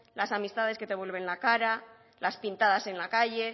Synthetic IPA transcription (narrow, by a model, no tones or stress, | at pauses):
lasamist̪aðeske̞t̪e̞βwe̞lβe̞nlakaɾa | laspint̪aðase̞nlakaʝe̞